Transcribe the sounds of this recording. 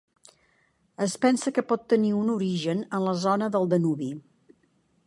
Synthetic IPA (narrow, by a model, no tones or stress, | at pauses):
əspɛnsəkəpɔt̪ːəniunuɾiʒənənləzɔnəðəlˠd̪ənuβi